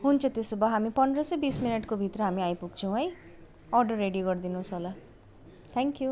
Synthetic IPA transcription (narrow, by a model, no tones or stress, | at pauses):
ɦunt͡sʰʌt̪esebaɦamipʌnd̪ɾʌsʌjbisminʌʈkobʱit̪ɾʌɦamiajpuɡ̚t͡sʰʌw̃ɦʌj | ɔrɖoɾeɖijoɡʌɾd̪inuɦsola | t̪ʰɛŋkju